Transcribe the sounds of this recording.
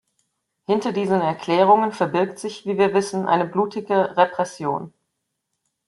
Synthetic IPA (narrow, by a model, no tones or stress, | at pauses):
hɪntɐdiːzənɛɐkl̥ɛːʁ̞ʊŋənfɛɐbɪɐk̚tz̥ɪçv̥iːviːɐvɪsn̩ʔa̰ɪnəbluːtʰɪɡəʁepʁ̥ɛsjoːn